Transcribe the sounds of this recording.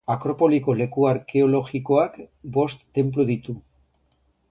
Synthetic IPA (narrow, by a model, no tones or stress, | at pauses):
akɾo̞po̞liko̞le̞kuaɾke̞o̞lo̞ɣiko̞akbo̞st̪ːe̞mp̬luðit̪u